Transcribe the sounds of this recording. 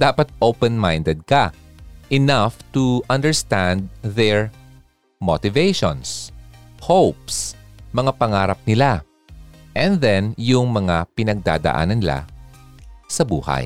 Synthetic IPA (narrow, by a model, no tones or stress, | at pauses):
d̪aːpɐt̪̚ʔowpɛnmajnd̪ɛd̪̚kɐ | ʔɪnaft̪ʊʔɐ̃nd̪ɛɹst̪ãnd̪̚ðɛɹ | mot̪ɪvejʃõnshowpsmɐŋapɐŋaːɾɐp̚nɪla | ʔɛ̃nðɛnjʊŋmɐŋapɪnɐɡ̚d̪a̰ːd̪ɐ̰ʔa̰ːnɐnɪla̰ | sɐbṵːha̰j